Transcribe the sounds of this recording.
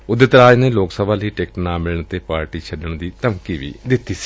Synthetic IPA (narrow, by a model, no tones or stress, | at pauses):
ʊd̪ɪt̪ɾaːd͡ʒneːloːksəbʱaːləiːʈeːkʈnãːmɪləɳ̃t̪eːpaːɾʈiːt͡ʃʰəɖəɳ̃d̪iːt̪əmkiːʋḭːd̪ɪt̪ːiːsi̥